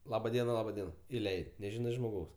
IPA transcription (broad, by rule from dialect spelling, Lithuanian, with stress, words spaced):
ˈlˠɑːbɐ ˈdʲiɛnɐ ˈlˠɑːbɐ ˈdʲiɛnɐ ɪˈlʲɛɪtʲ nʲɛˈʒʲɪnɐɪ ʒmoːˈɡɐʊs